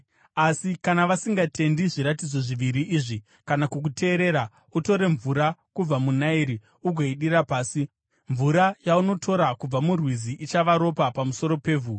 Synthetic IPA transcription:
asikanaʋasiŋɡatʰe̞ndiʐiɾat̬id͡zo̞ʐiʋiɾiʔiːʐi | kanakuk̬utʰe̞ːɾe̞ɾa | uto̞ɾe̞ɱvuɾakub͡vamunaiɾi | uɡʱoiɗiɾapaːsi | ɱvuɾajauno̞tʰo̞ɾakub͡vamurwiziʔit͡ʃaʋaɾo̞papamuso̞ɾo̞pe̞ːvu

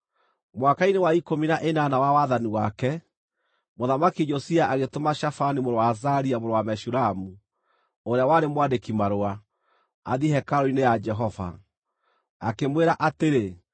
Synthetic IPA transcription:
mwakainewaikominaʔenanawawaðaniwakɛ | moðamakiɲɔsiaʔaɣetomaʃafanimoɾowazaɾiamoɾowamɛʃuɾamu | oɾeawaɾemwadekimaɾoa | a̰ðihɛkaɾoinejad͡ʒɛɦɔva̰ | akemweɾaʔateɾe

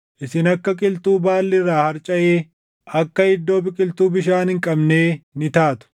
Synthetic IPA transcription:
ʔɪsɪnɐkːɐkʼɪlt̪uːbaːlːɪrːaːhɐɾt͡ʃʼɐʔeː | ʔɐkːɐhɪd̪ːo̞ːbɪkʼɪlt̪uːbɪʃaːnhɪŋkʼɐbne̞ːnɪt̪aːt̪ʊ̥

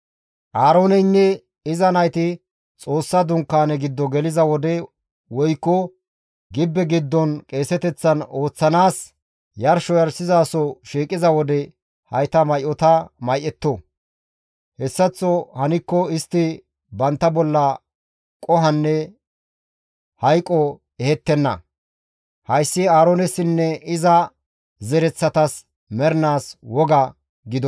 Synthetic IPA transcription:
ʔaːɾo̞ːnɛnːɛ | ɪzɐnɐjt̪ɪ | t͡sʼo̞ːsːɐd̪ʊŋkːaːnɛɡɪd̪ːɔɡɛlɪzɐwɔd̪ɛ | wɔjkːɔ | ɡɪbːɛɡɪd̪ːɔnkʼe̞ːsɛt̪ɛt͡sːɐno̞ːt͡sːɐnaːs | jɐɾʃɔjɐɾsɪzaːsɔʃiːkʼːɪzɐwɔd̪ɛ | hɐjt̪ɐmɐjʔɔt̪ɐmɐjʔɛt̪ːɔ | hɛsːɐt͡sːɔhɐnɪkːɔɪst̪ːɪ | bɐnt̪ːɐbɔlːɐ | kʼɔɦɐnːɛ | hɐjkʼːɔ | ɛhɛt̪ːɛnːɐ̰ | hɐjsːɪaːɾɔnɛsɪnːɛɪzɐ | zɛɾɛt͡sːɐt̪ɐs | mɛɾnaːswɔɡɐ | ɡɪd̪ɔ

